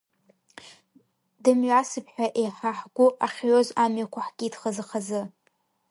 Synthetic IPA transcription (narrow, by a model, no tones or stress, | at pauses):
dɨmɥasɨpʰħʷᶣaʔejħaħɡ̥ʷʊʔaχʲɥozamɥakʷʰaħɡ̥ʲiːdχazɨχazɨ